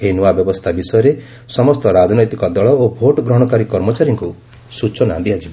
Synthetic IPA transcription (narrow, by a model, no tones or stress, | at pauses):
enuabjɔbɔst̪ʰabisɔjɔɾe | sɔmɔst̪ɔɾad͡ʒɔnɔjt̪ikɔd̪ɔɭɔobʱoʈɔɡɾɔɦɽ̃ɔkaɾikɔɾmɔt͡ʃaɾjɔŋku | sut͡ʃɔna̰d̪iad͡ʒibi